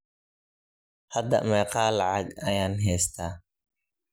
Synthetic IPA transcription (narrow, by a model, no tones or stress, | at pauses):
hɐd̪ɐ̰ʔmɛːqɑːlʕɑɡɐjaːnɦɛːst̪ʰaː